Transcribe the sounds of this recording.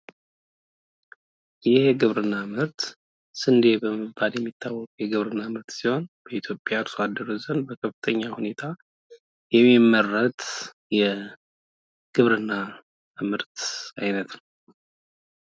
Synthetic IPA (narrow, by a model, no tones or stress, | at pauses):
jɪhɡɨβɾɨnːamɨɾt̪ | sɨnd̪ebəməbaljɛmːit̪ʰːawːɔkʼjɛɡɨβɾɨnːamɨɾt̪siho̞nb̥əit̪ʰjo̞pʼjaɨɾsoad̪ːəɾozənd̪bəkʰəfɨt̪ʰəɲːahune̞t̪ʰa | jɛmːimːərːət̪ | jɛ | ɡ̥ɨβɾɨnːa | mɨɾt̪ajnət̪nəw